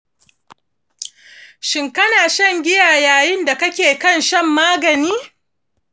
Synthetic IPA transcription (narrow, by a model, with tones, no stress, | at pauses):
ʃɪ˨ŋkɐ˦naː˨ʃɐ˦˨ŋɡʲɪ˦jaː˨jaː˨jɪ˦nda˨kɐ˦kʲeː˨kɐ˦˨nʃɐ˦˨mːaː˦ɡɐ˨niː˦